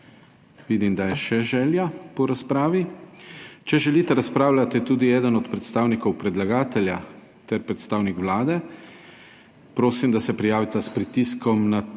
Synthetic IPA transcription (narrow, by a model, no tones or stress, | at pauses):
ʋid̪imd̪ajɛʃɛʒɛːljapɔɾaspɾaːʋi | t͡ʃɛʒɛliːt̪ɛɾaspɾaːwlʲat̪it̪uːd̪iɛːd̪ənɔt̪pɾɛt̪st̪aːwnikɔwpɾɛd̪laɡaːt̪ɛlja | t̪ɛɾpɾɛt̪st̪aːwnikʋlaːd̪ɛ | pɾoːsimd̪asɛpɾijaːʋit̪aspɾit̪iskɔmna